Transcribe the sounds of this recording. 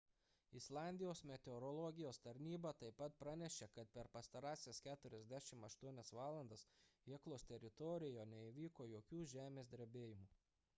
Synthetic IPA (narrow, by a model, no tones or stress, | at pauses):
ɪslˠɑːˑnʲd̪ʲɪjoːsmʲɛt̪ʲɛɔɾɔlˠɔɡʲɪjoːst̪ɐɾʲnʲiːbɐt̪ɐɪpːɐt̪̚pɾɑnʲɛʃʲekɐt̪̚pʲɛɾpɐst̪ɐɾɑːsʲɛskʲæːt̪ʊɾʲɛzʲd̪ʲæʃʲɪmɐʃt̪uɔnʲɛsʋɑːlˠɐnd̪ɐsiɛklˠoːst̪ʲɛɾʲɪt̪ɔɾʲɪjoːnʲɛiʋʲiːkoːjoːkʲuːʒʲæːmʲeːsd̪ʲɾʲbʲeːjɪmuː